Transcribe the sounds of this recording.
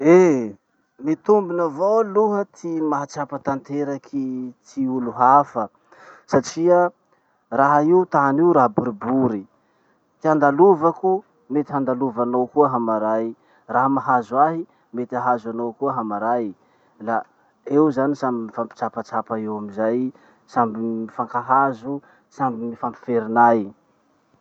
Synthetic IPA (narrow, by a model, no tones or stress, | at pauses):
e | mit̪umbinavoluɦət̪ʰimaɦat͡sapət̪ant̪eɾakʰit̪ʰiuluɦafə | saʈ͡ʂiə | raɦaiut̪aniwɾaɦbuɾibuɾi | t̪iand̪aluvaku | met̪iɦand̪aluvanowkuaɦamaɾaj | raɦəmaɦazwaɦi | met̪iaɦazanowkuaɦamaɾaj | la | ewzanisambimifampi̥t͡sapat͡sapaewamizaj | sambimifaŋkaɦazu | sambimifampi̥feɾinaj